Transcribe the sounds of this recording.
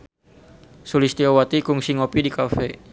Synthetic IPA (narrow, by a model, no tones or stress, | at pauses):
sulist̪iowat̪ikuŋsiŋɔpidikafɛ